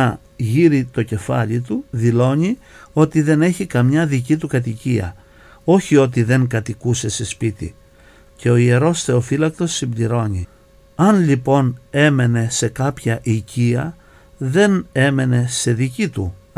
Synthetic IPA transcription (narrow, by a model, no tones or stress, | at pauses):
ɐ | ʝiɾit̪o̞ce̞fɐ̰ʎit̪uðilo̞ɲi | o̞t̪iðe̞ne̞çikɐmɲɐðicit̪ukɐt̪iciɐ̰ | o̞çio̞t̪̬iðe̞ŋkɐt̪ikuse̞se̞spit̪ḭ | ce̞o̞ie̞ɾo̞sθe̞ofilɐk̚t̪o̞sːimbd̪iɾo̞ɲi | ɐnʎipo̞ne̞me̞ne̞se̞kɐpçɐʔiciɐ | ðe̞ne̞me̞ne̞se̞ðicit̪ṵ